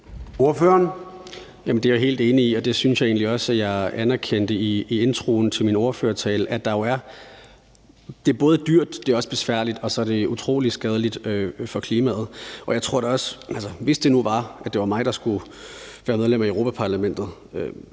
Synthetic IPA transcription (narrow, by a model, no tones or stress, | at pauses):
o̝ɐføːɐn | jæmən̩d̥eæjoɦe̝̰ːld̥e̝ːniiɒ̽d̥e̝synsjɑ̈ɪe̝ːnliɒ̽sæjɑ̈ɪænæɐkʰen̰d̥əiie̝nt͡sʰʁo̝̰ːn̩t͡sʰe̝lmino̝ːɐføɐt͡sʰɛːl̩ʔæd̥ɑ̈jo̝æɐ | d̥e̝æɐb̥ɔ̽ːð̞̩ˠd̥yɐ̰d̥ːe̝ɒ̽sb̥e̝sʋæɐ̰lid̥ɒ̽sɒ̽æɐd̥e̝ut͡sʰʁo̝̰ːlid̥sɡ̥ɛːð̞ˠəlid̥øfɒ̽kʰliːmɛ̰ːð̞̩ˠʔɒ̽jɑ̈ɪt͡sʰʁo̝ɐ̰ɾ̥ɒ̽sʔælsəʋe̝sd̥e̝nuʋɑ̈ʔæd̥e̝ʋɑ̈mɑ̈ɪd̥ɑ̈sɡ̥u | ʋæːɐmeð̞ˠlem̰æiəʊʁopʰæpʰɑ̈læmen̰d̥ð̩ˠ | ø